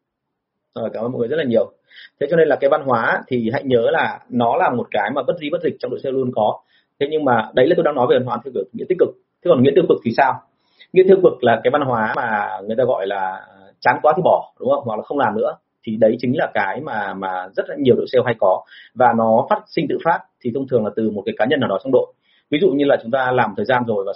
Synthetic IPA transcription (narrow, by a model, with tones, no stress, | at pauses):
ʔəː˨˩kaː˧˩mʔə˧mo̰˨ŋː˨zlaː˨ɲi˨˩əw | t̪ʰe˨˦t͡ɕɔ˧ne˧nlaː˨˩kaː˨˦jva˧nɦwaː˨˦˧t̪ʰi˨˩ha̰˧˨jɲəː˨˦laː˨˩nɔ˨˦laː˨˩mo˨˩t̚kaː˨˦jmaː˨˩ə˦˥t̚zi˧ɓə˦˥t̚zï˨˩k̚t͡ɕɔ˧wŋ͡mɗo̰˧˨sɛ˧wlu˧ənkɔ˨˦ | t̪ʰe˨˦ɲɨ˧ŋmaː˨˩ɗə˨˦jlaː˨˩to˧jɗaː˧nɔ˨˦jvva˧nɦwaː˨˦t̪ʰwkːŋḭ˧˥t̪i˦˥k̚kɨ˨˩k̚t̪ʰe˨˦kɔ˨˩nŋḭ˧˥ət̪ɨ˧ə˧kvɨ˨˩k̚t̪ʰi˨˩saː˧w | ŋḭ˧˥ət̪ɨ˧ə˧ŋkɨ˨˩k̚laː˨˩kaː˨˦jva˧nɦwaː˨˦maː˨˩ŋɨ˨˩əjt̪aː˧ɣɔ̰˧˨jlaː˨˩ | t͡ɕa˨˦nkwaː˨˦t̪i˨˩ɓɔ˧˩ɗʊ˨˦ŋ͡mhə˧wŋ͡mhwa˨˩k̚laː˨˩xə˧wŋ͡mlaː˨˩mnɨ̰˧˥ə | t̪ʰi˨˩ɗə˨˦jt͡ɕï˨˦ŋ̟laː˨˩kaː˨˦jmaː˨˩maː˨˩zə˦˥t̚ɲi˨˩əwɗo̰˧˨sɛ˧wɦa˧jkɔ˨˦vaː˨˩nɔ˨˦faː˦˥t̚sï˧ŋt̪ɨ̰˧˨faː˦˥t̚t̪ʰi˨˩t̪ʰə˧wŋ͡mt̪ɨ˨˩əŋlaː˨˩t̪ɨ˨˩mo˨˩t̚kaː˨˦jkaː˨˦ɲə˧nːaː˨˩wɗɔ˨˦t͡ɕɔ˧ŋ͡mɗo̰˧˨j | vi˨˦zṵ˧˨ɲɨ˧laː˨˩t͡ɕʊ˨˦ŋ͡mt̪aː˧laː˨˩mt̪ʰəː˨˩jzaː˧nzo˨˩jvaː˨˩